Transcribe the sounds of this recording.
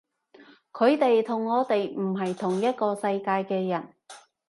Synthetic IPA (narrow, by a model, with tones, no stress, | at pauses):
kʰɵ˨˧ɥt̪e˨jt̪ʰʊ˨˩ŋːɔː˨˧t̪e˨jm̩˨˩ɦɐ˨jt̪ʰʊ˨˩ŋjɐ˥t̚kɔː˧sɐ˧jkaː˧jkɛː˧jɐ˨˩n